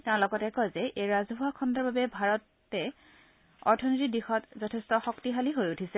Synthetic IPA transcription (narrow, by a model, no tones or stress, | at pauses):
tãɹlɔɡɔtɛkɔjzɛʔejɹazbʱuakʰɔndɔɹbabɛbʱaɹɔtː | ɛ | ɔɹtʰɔnitidixɔtzɔtʰɛstɔxɔktiɦaliɦojutʰisɛ